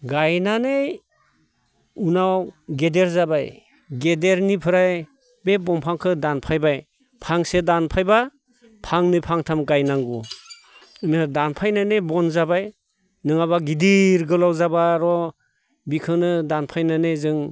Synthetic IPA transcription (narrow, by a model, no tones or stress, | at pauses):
ɡajnanej | unawɡedeɾzabaj | ɡedeɾnipʰɯɾaj | bebɔmpʰaŋkʰɯdanpʰajbaj | pʰaŋsedanpʰajba | pʰaŋnɯpʰaŋtʰamɡajnaŋɡu | nɯdanpʰajnanebɔnzabaj | nɯŋaβaɡidiɾɡɯlawzabaɾɔ | bikʰɯnɯdanpʰajnanɯjzɯŋ